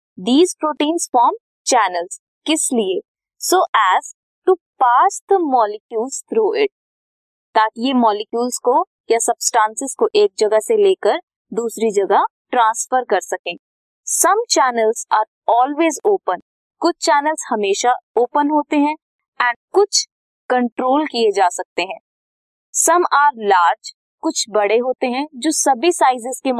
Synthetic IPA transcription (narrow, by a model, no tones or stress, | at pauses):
d̪iːzpɾoːʈiːnzfɔːɾm | t͡ʃɛːnəlz̥ | kɪslie | soːʔæːz | ʈupaːst̪mɔːlɪkjuːlzt̪ʰɾoːɪʈ̚ | t̪aːkijemɔːlɪkjuːlzko | jasɐbsʈãːnsɪz̥koʔeːk̚d͡ʒɐɡaseleːkəɾ | d̪uːsɾid͡ʒɐɡa | ʈɾãːnsfəɾkɐɾsɐkẽː | sɐmt͡ʃɛːnəlzaːɾ | ɔːlweːzoːpən | kʊt͡ʃʰt͡ʃɛːnəlzhɐmeːʃaoːpənɦoːt̪eɦɛ̃ | ɛ̃ːɳɖ̚kʊt͡ʃʰ | kɐ̃ɳʈɾoːlkied͡ʒaːsɐk̚t̪eɦɛ̃ː | sɐmaːɾlaːɾd͡ʒ | kʊt͡ʃʰbɐɽeɦoːt̪eɦɛ̃d͡ʒoːsɐbʱisaːɪzɪzkem